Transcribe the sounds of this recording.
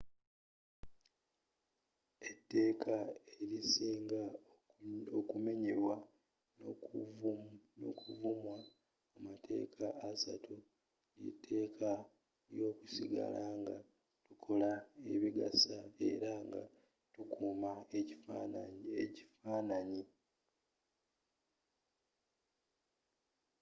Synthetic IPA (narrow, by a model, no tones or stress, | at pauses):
etːe̞ːkʰaeɾisiːŋɡa | okume̞ɲe̞ɾwa | no̰kuvumwa | amatʰe̞̰ːkʰaʔːsatʰu | nḭtʰːe̞ːkʰa | jo̞ːkusiɡa̰lʔaŋɡa̰ | tukʰo̞lae̞βiɡa̰sae̞̰ɾaŋɡa̰ | tukuːmaecifaeci̥faːnaɲi